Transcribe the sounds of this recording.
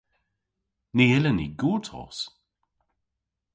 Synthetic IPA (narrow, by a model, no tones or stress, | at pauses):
niːɪlənḭɡuːtʰɔ̰ːs